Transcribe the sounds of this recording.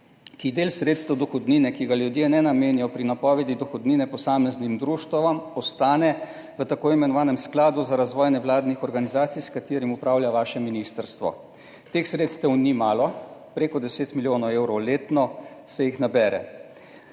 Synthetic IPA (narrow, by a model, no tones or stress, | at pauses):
kid̪eːlsɾet̪st̪ɛwd̪ɔxɔd̪niːnɛkiɡaljud̪jenɛnameːnijɔpɾinapɔːʋɛd̪id̪ɔxɔd̪niːnɛpɔsaːmɛznimd̪ɾuːʃt̪ɔʋamɔst̪aːnɛ | ʋət̪akoːimɛnɔʋaːnɛmsklaːd̪uzaɾazʋɔːjnɛwlaːd̪nixɔɾɡanizaːt̪sijskat̪eːɾimupɾaːwljaʋaːʃɛminist̪əɾst̪ʋɔ̰ | t̪eːxsɾeːt̪st̪ɛwnimaːlɔpɾeːkɔd̪ɛseːt̪miljoːnɔweːwɾɔwleːt̪nɔsɛjixnabɛːɾɛ̰